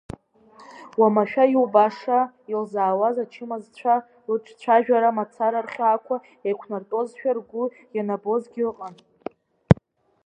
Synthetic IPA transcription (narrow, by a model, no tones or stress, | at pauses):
wamaʃᶣajiwbaʂa | ilzaːwazat͡ʃʰɪmazt͡ɕʷʰa | ɨʈ͡ʂʰʼt͡ɕʷʰaʒᶣaɾamat͡sʰaɾarχʲakʷʰa | ekʷʰnartʼo̞zʃᶣarɡʷʊ | janabo̞zɡʲɪlɨqʼan